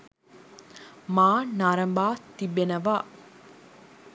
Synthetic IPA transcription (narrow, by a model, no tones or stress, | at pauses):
maːnaːɾəmbaːt̪ibenəʋa